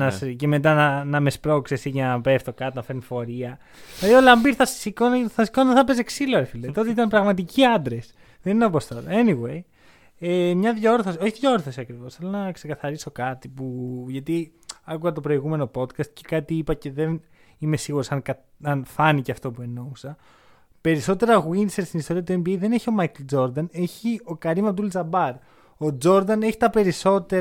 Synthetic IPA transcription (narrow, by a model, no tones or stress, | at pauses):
nɐsce̞me̞t̪̬ɐnɐnɐmespɾo̞ksesiʝɐnɐpeft̪okɐt̪inɐfe̞ɾnifo̞ɾiɐ | ilɐðiolɐmbiɾθɐssikonθɐsi̥konðeθɐpe̞seksiloɾefilɐit̪ot̪eit̪ɐnpɾɐɣmɐt̪iciɐnd̪ɾes | ðeninɐpost̪ɐt̪eniɣwe̞j | emɲɐðʝo̞ɾθosio̞çiðʝoɾθosiɐkɾivo̞sθelonɐkse̞kɐθɐɾiso̞kɐt̪ipuʝɐt̪i | ɐkuɣɐt̪o̞pɾo̞iɣume̞no̞po̞d̪kɐst̪̚ce̥kɐt̪iipɐce̞ðe̞n | ime̞siɣuɾo̞sɐnkɐ | ɐnfɐniceɐft̪o̞pue̞no̞usɐ | pe̞ɾiso̞t̪e̞ɾɐɣwinseɾst̪inist̪o̞ɾiɐt̪̬ue̞mbieðe̞neçio̞mɐjkld͡ʒo̞ɾd̪ɐne̞çio̞kɐɾimɐd̪ulzɐbɐɾ | o̞d͡ʒo̞ɾd̪ɐne̞çi̥t̪ɐpe̞ɾiso̞t̪e̞